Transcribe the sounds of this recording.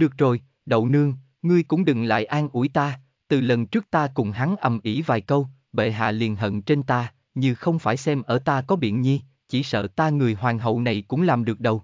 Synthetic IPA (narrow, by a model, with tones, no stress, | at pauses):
ɗɨ˨˩ək̚zo˨˩j | ɗə̰˧˨wnɨ˧əŋ | ŋɨ˧əjkʊ̰˧˥ŋ͡mɗɨ˨˩ŋla̰ː˧˨jʔaː˧nʔu˧˩əjt̪aː˧ | t̪ɨ˨˩lə˨˩nt͡ɕɨ˦˥k̚t̪aː˧kʊ˧˩ŋ͡mɦa˨˦ŋʔə˨˩mʔi˧˩vaː˨˩jkə˧w | ɓḛ˧˨ɦa̰ː˧˨li˨˩ənɦə̰˧˨nt͡ɕe˧nt̪aː˧ | ɲɨ˧xə˧wŋ͡mfaː˧˩jsɛ˧mʔəː˧˩t̪aː˧kɔ˨˦ɓḭ˧˨nɲi˧ | t͡ɕi˧˩sə̰ː˧˨t̪aː˧ŋɨ˨˩əjɦwaː˨˩ŋɦə̰˧˨wna˨˩jkʊ̰˧˥ŋ͡mlaː˨˩mɗɨ˨˩ək̚ɗə˨˩w